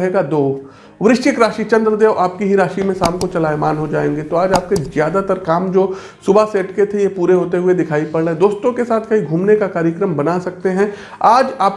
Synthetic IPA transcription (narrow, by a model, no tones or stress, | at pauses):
ɦeːɡad̪oː | ʋɾɪʃt͡ʃɪkɾaːʃit͡ʃɐ̃nd̪ɾəd̪eːʋʔaːp̚kiɦiɾaːʃimẽsaːmkot͡ʃɐlaːjmaːnɦod͡ʒaːẽːŋɡet̪oaːd͡ʒaːp̚kezjaːd̪at̪əɾkaːmd͡ʒoː | sʊbʱaseːʈket̪ʰejepuːɾeɦoːt̪eɦʊed̪ɪkʰaːipɐɽɽeɦɛd̪oːst̪õkesaːt̪ʰkɐɦiɡʱuːmnekakaːɾjəkɾəmbɐnasɐk̚t̪eɦɛ̃ | aːd͡ʒaːp